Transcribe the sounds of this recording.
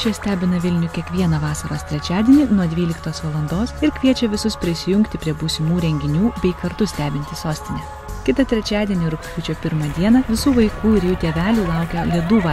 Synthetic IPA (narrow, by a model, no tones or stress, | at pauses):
t͡ʃʲiɛsʲt̪ʲæːbʲɪnɐʋʲɪlʲnʲʊkʲiɛkʋʲiɛnɐʋɑːsɐɾoːst̪ʲɾʲɛt͡ʃʲæːd̪ʲiɛnʲɪnuɔd̪ʲʋʲiːlʲɪkt̪oːsʋɐlˠɐnd̪oːsɪɾkʲʋʲiɛt͡ʃʲɛʋʲɪsʊspʲɾʲɪsʲɪjʊŋʲkt̪ʲɪpʲɾʲiɛbuːsʲɪmuːɾʲɛŋʲɡʲɪnʲuːbʲɛɪkɐɾt̪ʊsʲt̪ʲæːbʲɪnʲt̪ʲɪsoːsʲt̪ʲɪnʲɛ | kʲɪt̪ɐt̪ʲɾʲɛt͡ʃʲæːd̪ʲiɛnʲɪɾʊksʲtʲuːt͡ʃʲoːpʲɪɾmɐd̪ʲiɛnɐʋʲɪsuːʋɐɪkuːɪɾjuːt̪ʲeːʋʲæːlʲuːlˠɐˑʊkʲɛlʲiɛd̪uːʋɑ